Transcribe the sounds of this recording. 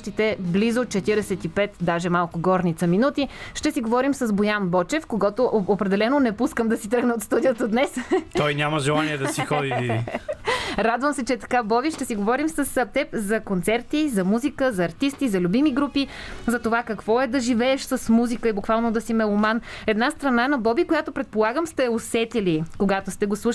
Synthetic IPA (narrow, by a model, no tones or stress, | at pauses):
ʃt̪it̪ɛblizott͡ʃɛt̪iɾɛsɛt̪ipɛt̪d̪aʒɛmalˠkʊɡɔɾnit̪səminut̪iʃt̪ɛsiɡovɔɾimsəzbojanbɔt͡ʃɛfkoɡɔt̪oʔopɾɛd̪ɛlɛnonɛpuskəmd̪ɐsit̪ɾɤɡnəot̪st̪ud̪iot̪əd̪nɛsɔjnʲaməʒɛlˠaniɛd̪ɐsixɔd̪i | ɾad̪vəmsɛt͡ʃɛt̪ɐ̥kabɔbiʃt̪ɛsiɡovɔɾimsəsɐp̚t̪ɛpzɐkont̪sɛɾt̪izɐmuzikəzɐːɾt̪ist̪izɐlʲubimiɡɾupi | zɐt̪ovakɐkvɔɛd̪ɐʒivɛːʃsɐsmuzikəibukvalˠnod̪ɐsimɛomanɛd̪nast̪ɾɐnanɐbɔbikojat̪opɾɛt̪̚polˠaɡəmst̪ɛosɛt̪ilikoɡat̪ost̪ɛɡoslˠuʃ